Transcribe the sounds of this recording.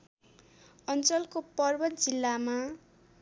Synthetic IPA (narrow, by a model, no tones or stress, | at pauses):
ʌnt͡sʌlkopʌrbʌt̪̚d͡zilːama